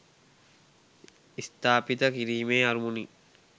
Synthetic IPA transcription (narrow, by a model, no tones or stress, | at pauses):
ist̪aːpit̪əkiɾiːmeːɐɾumuni